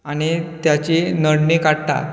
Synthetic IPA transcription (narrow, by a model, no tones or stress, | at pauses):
aɽ̃it̪jat͡ɕinəɽɳikaɽt̪a̰t̪